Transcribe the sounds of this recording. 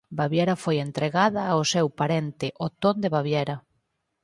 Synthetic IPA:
baβjɛɾɐfojent̪ɾeɣaðɐaosɛwpaɾent̪ɪʔot̪ond̪eβaβjɛɾɐ

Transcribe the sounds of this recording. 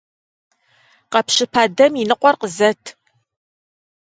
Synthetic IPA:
qɐpɕɨpʰaːdɐminɨqʷɔrqəzɐtʰ

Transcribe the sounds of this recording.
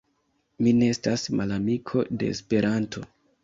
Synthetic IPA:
mine̞estasmalamikʰo̞de̞̰ːspe̞ɾanto̞

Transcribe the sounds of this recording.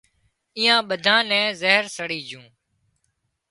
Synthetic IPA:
ijãːɓəd̪ʱãːnɛ̃ːzəɦɾsəɽiːd͡ʒʱũː

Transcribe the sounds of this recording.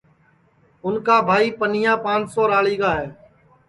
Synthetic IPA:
ʊnkaːbʱaːiːpəniːjãːpãːnt͡ʃsoːɾaːɭiːɡaːɦeː

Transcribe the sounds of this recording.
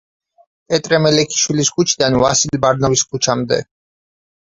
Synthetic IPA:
ɛt̪ʼɾɛmɛlɛkʰi̥ʃwiliskʰut͡ʃʰid̪anvasilbaɾnɔviskʰut͡ʃʰamd̪ɛ̰

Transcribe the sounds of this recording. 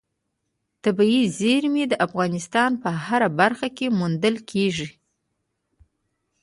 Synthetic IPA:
t̪abiizeɾmed̪əʔafɣɑnɪst̪ɑnpəhaɾabaɾxakemund̪əlkʰeʐi

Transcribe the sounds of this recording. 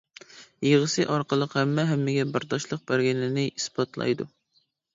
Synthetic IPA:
jəʁəsɨʔɑɾqʰəlˠəqhɛmːɛɦɛmːɪɡʲɛbɪɾt̪ɑʃlˠəq̚bæɾɡʲɛlːɪnɪʔisbɑt̪lˠɑ̰jd̪ṵ

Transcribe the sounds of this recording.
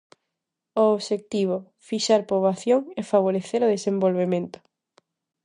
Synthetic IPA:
oːβʃek̚t̪iβ̞o | fiʃaɾpɾoβaθjoŋɛfaβ̞oɾeθeɾoðesembolβemẽnt̪ʊ̥

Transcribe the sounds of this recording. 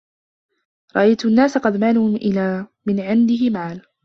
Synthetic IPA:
ɾˤɑʔajt̪ʊʔnːaːsaqɑd̪maːluːʔɪlaːmɪnʕɪnd̪ɪɦɪmaːl

